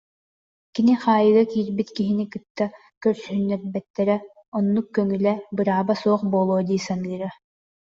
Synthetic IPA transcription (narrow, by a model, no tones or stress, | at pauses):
kiniχaːjɯɡakiːɾbit̪kiɦinikɯt̪ːa | kœɾsyɦynːɛɾbɛt̪ːɛɾɛ | ɔnːukːœŋylɛbɯɾaːbasuɔχbɔːlˠoːd̪iːsanɯːɾa